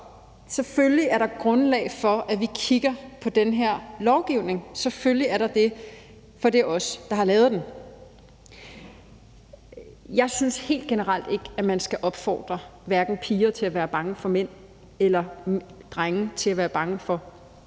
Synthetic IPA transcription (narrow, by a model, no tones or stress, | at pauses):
sefølliæɐɾɑ̈ɡ̥ʁɔ̽nlɛ̰ɪfɒ̽æʋikʰiɡ̥ɐpʰɒ̽d̥enɦeɐ̰lɒʊɡ̥iʊne̝ŋsefølliæɐɾɑ̈d̥e̝ | fɒ̽d̥e̝ʔɒ̽sd̥ɑ̈hɑ̈lɛːʊð̞̩ˠd̥en | jɑ̈ɪsynshe̝̰ːld̥̚ɡ̥e̝nəʁɑl̰d̥e̝ɡ̥æmænsɡ̥æʔɒ̽b̥fɒ̰ːd̥ʁɐʋæɐɡ̥n̩pʰiːɐt͡sʰe̝læʋæːɐb̥ɑ̈ŋəfɒ̽men̰ | elɐd̥ʁaŋət͡sʰe̝læʋæːɐb̥ɑ̈ŋəfɒ̽